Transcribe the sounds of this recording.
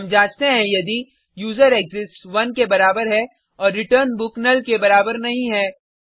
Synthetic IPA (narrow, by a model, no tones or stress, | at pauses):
ɐmd͡ʒaːd͡ʒt̪eɦɛ̃jɐd̪i | juːzəɾeːkzɪsʈʋɐnkebɐɾaːbəɾɦɛ | ɔːɾːɪʈəɾnbʊknəlkebɐɾaːbəɾnɐɦĩɦɛː